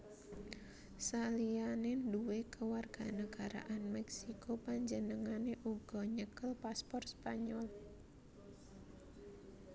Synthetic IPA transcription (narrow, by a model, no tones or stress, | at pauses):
salianɪnduwekəwarɡ̥anəɡ̥aɾa̰ʔanmɛksikopaɲd͡ʒənəŋaneʔuɡ̥ɔɲəkəlpaspɔrspaɲɔl